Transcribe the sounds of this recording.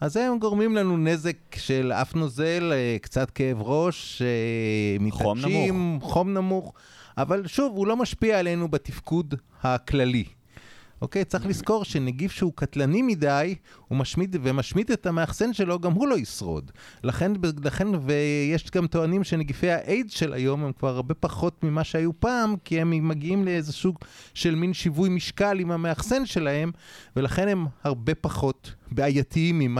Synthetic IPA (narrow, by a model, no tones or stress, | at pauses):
azeemɡoʁmimlanune̞ze̞kʃe̞la̰fnoze̞lkt͡sat̪keevʁo̞ʃemiaʃimχo̞mnamuχ | ʔavalʃuvulo̞maʃpiaːlejnubat̪ifkud | haklali | ʔo̰ke̞jt͡siχlisko̞ʁʃeneɡifʃeukat̪lanimidajhumaʃmid̪vemaʃmidetameaχse̞nʃelo̞ɡamhulo̞isʁo̞̰d̪laχe̞nbelaχe̞nvejeʃɡamt̪o̞animʃeneɡife̞jhaʔejzʃelʔa̰jo̞mhemkvaʁaʁbe̞paχo̞tmimaʃeajupaːmkiemːaɡiimleezesuɡʃe̞lminʃivujmiʃkalimameaχse̞nʃe̞lahe̞mve̞laχe̞ne̞mhaʁbe̞paχo̞tbeajatiimːim